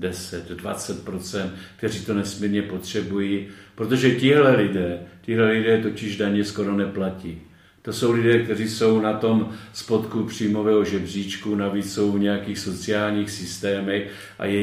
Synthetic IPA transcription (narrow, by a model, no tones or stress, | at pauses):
dɛsɛt̪dva̰t͡sɛt̪̚pɾo̞t͡sɛnt̪kt̪ɛriːt̪o̞nɛsmiːɾɲɛpo̞t̪r̝̥ɛbujiːpɾot̪̬o̞ʒɛcɪɦlɛlɪdɛːcɪɦlɛlɪdɛːt̪o̞cɪʒdaɲɛsko̞ɾo̞nɛplaciː | t̪o̞so̞wlɪdɛːk̚t̪ɛr̝iːso̞wnat̪o̞mspo̞t̪kupr̝̥iːmo̞vɛːɦo̞ʒɛbr̝iːt͡ʃkunaviːt͡sso̞wɲɛjakiːxso̞t͡sɪaːlɲiːxsɪst̪ɛːmɛx | ʔa̰jɛ